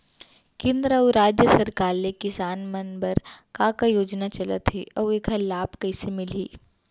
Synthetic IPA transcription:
kɪ̃nd̪ɾawɾaːd͡ʒjəsɐɾkaːɾnekɪsaːnmənbəɾkakajoːd͡ʒnat͡ʃɐlə̰t̪ɦeʔɐeːkʰalaːbkɐɪsemɪliː

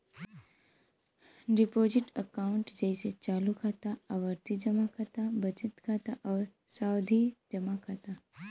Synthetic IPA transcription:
ɖipoziʈəkaʊɳʈd͡ʒəjset͡ʃalukʰat̪aəʋəɾt̪id͡ʒəmakʰat̪abət͡ʃɪt̪kʰat̪aʔəʋ | sawd̪ʱid͡ʒəmakʰat̪a

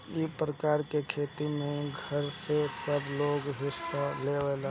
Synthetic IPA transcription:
ipɾəkaːɾkekʰeːt̪imẽɡʱəɾsesəbloːɡɦɪsaleːʋela

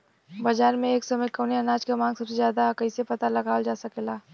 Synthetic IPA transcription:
bɐd͡ʒaːɾmẽeːksɐməjkɐːneɐnaːd͡ʒkamãːŋɡsɐbsezjaːd̪akɐɪsepɐt̪alɐɡaːəld͡ʒaːsɐkelaː

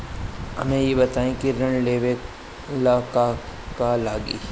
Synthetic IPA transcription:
ɦɐ̰mẽjebɐt̪aːẽkiɾɐ̃ɳleːʋe | ɪlaːkakalaːɡḭ

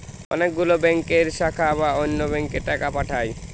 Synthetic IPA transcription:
ɔ̰nek̚ɡulobɛŋkeɾʃakʰaβaonːobɛŋkeɾʈakapaʈʰaj

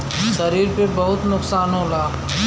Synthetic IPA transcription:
sɐɾiːɾpebɐɦʊt̪nʊksaːnɦolaː

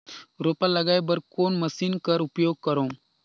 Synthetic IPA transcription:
ɾoːpalɐɡaːjbɐɾkoːnmɐsiːnkɐɾupjoːɡ̚kɐɾõː

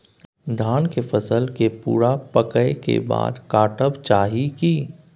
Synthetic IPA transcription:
d̪ʱaːnkefʰəsəlkepṵːɾapəkəekḛba̰ːd̪kaːʈəbt͡ʃaːɦiki

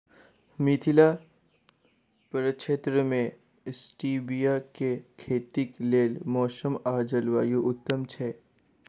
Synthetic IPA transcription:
mit̪ʰila | pɐɾəʃʰeːt̪ɾəmẽ | sʈiːbijakekʰeːt̪ikleːlmɔːʃəmaːd͡ʒəlʋaːjuʔʊt̪ːəmt͡ʃʰɛː

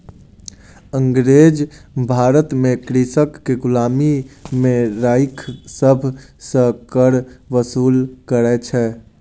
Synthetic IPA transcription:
ə̃ŋɡɾeːd͡ʒbʱaːɾət̪mẽkɾisəkːeɡʊlaːmimẽɾaːɪkʰsəbʱsə̃kəɾʋəsuːlkəɾɛt͡ʃʰɛ

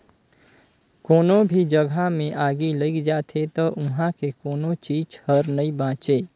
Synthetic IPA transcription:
koːnobʱid͡ʒəɡʱamẽʔaːɡiləɪkd͡ʒaːt̪ʰet̪ɔʔʊɦãkekoːnot͡ʃiːd͡ʒhəɾnɐibãːt͡ʃeː

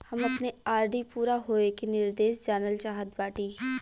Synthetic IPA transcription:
hɐmɐpneaːɾɖipuːɾaɦoːekinɪɾd̪eːʃd͡ʒaːnəlt͡ʃaːɦəd̪baːʈiː

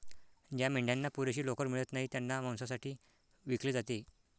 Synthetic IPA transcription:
d͡ʑjamiɳɖjanːapuɾeɕiːlokəɾm̤iɭət̪naɦiːt̪janːam̤ãw̃sasaʈʰiː | ʋikleːd͡zat̪e

